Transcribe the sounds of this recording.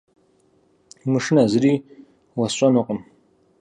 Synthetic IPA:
mɨʂɨnazɨɾiː | wɐɕʷʼɐnɨqʼəm

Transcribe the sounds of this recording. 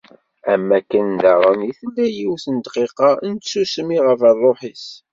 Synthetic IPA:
æmːækːənd̪ɑɾˤəniθəlːæjiwθənd̪qiqɑnt̪susmiʁəvərˤːoħis

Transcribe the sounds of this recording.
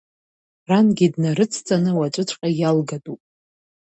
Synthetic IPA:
ranɡʲidnaɾɨt͡sʰt͡sʼanɨwat͡ʃʷʼɨt͡ʃʷʰʼqʼajalɡatʼupʼ

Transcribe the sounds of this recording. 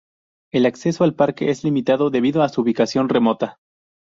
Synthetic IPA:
e̞lakse̞so̞alpaɾke̞̰ʔezlimit̪aðo̞ðe̞βiðo̞asuːβikasjo̞nre̞mo̞t̪a

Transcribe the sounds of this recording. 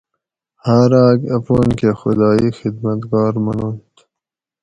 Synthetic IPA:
haːɾaːɡɐpoːnkexʊd̪ɑːixɪd̪mɐt̪ɡɑːɾmɐnoːnt̪

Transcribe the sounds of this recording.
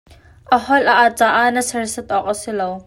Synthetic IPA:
ʔɐhɔlʔaʔat͡saːʔaʔnəsɐrsɛt̪̚ʔɔk̚ʔəsilow

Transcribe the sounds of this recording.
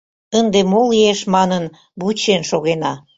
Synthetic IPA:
ənd̪emoleʃmɑnən | but͡ɕenʃoɣenɑ

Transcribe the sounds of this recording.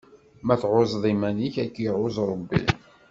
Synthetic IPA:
mæθʕozˤðˤimæniçækːjiʕʊzˤɾˤəbːḭ

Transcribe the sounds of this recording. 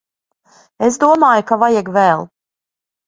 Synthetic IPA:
esd̪uɔmaːjukavajɛɡvɛlˠ

